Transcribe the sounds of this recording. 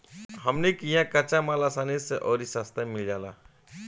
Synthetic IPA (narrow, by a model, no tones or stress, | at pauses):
ɦəmnekijãkɐt͡ʃamaːlasaːniseʔɔːɾisast̪ʰamɪld͡ʒaːla̰ː